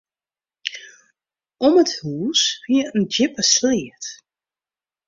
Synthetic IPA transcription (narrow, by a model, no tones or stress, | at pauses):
ɔməthuːsfiəənd͡ʒɪpəslɪət